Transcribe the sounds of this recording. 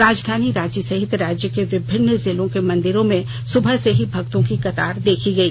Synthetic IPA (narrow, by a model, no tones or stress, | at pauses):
ɾaːd͡ʒd̪ʱaːniɾaːd͡ʒjəsɐɦɪt̪ɾaːd͡ʒjəkeʋɪbʱɪnːzɪlõkemɐ̃nd̪ɪɾõmẽ | sʊbʱəɦseɦibʱɐkt̪õkikɐt̪aːɾd̪eːkʰiɡɐiː